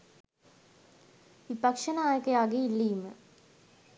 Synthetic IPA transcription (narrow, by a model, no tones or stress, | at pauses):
ʋipakʂənaːjəkəjaːɡeilːiːmə